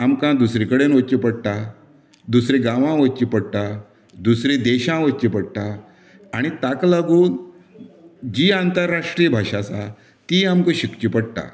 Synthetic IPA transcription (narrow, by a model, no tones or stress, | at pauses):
amkãd̪usɾĩkəɽenʋət͡ɕipəɽt̪a | d̪usɾĩɡãʋãʋət͡ɕipəɽt̪a | d̪usɾĩd̪eɕãʋət͡ɕipəɽt̪aː | ɽ̃it̪aklaɡuːn | d͡ʑiːant̪əɾːaʂʈɾijəbʱaɕat͡sa | t̪iːamkə̃ɕikt͡ɕipəɽt̪a̰